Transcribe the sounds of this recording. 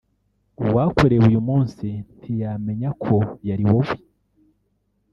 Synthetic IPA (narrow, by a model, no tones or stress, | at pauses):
uwakoɾeβujumuːnsintʰijame̞ɲakʰo̞jaɾiwoβwi